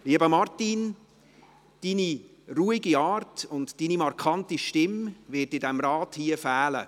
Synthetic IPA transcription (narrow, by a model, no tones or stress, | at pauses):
liəbəmɑrtin | d̥iːni | ruːiɡiɑːɾtʊntd̥iːnimɑɾkʰɑntiʃtɪmvɪtɪdɛmɾɑːthiːəfæːlə̰